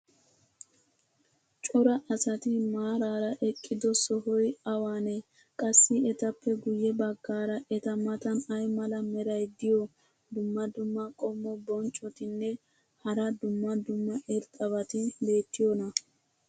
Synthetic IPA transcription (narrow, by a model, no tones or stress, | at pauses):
t͡ʃʼɔɾɐʔɐsɐt̪ɪmaːɾaːɾɐʔɛkʼːɪd̪ɔsɔɦɔjɐwaːnɛ | kʼɐsːɪɛt̪ɐpːɛɡʊjɛbɐɡːaːɾɐʔɛt̪ɐmɐt̪ɐnɐjmɐlɐmɛɾɐjd̪ɪjɔ | d̪ʊmːɐd̪ʊmːɐkʼɔmːɔbɔnt͡ʃʼːɔt̪ɪnːɛ | hɐɾɐd̪ʊmːɐd̪ʊmːɐʔɛɾt̪ʼɐβɐt̪ɪbe̞ːt̪ːɪjɔnɐ